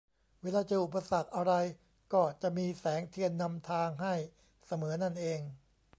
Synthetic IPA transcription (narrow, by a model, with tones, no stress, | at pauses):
weː˧˥laː˧t͡ɕa˨˧˩ʔu˨˩pːa˧sa˨˩k̚ʔa˧ɾa˧j | kɔː˨˩t͡ɕa˨˩miː˧sɛː˩˦ŋt̪ʰi˧ənːa˧mt̪ʰaː˧ŋɦa˥˩j | sa˧mɤː˩˦na˥˩nʔeː˧ŋ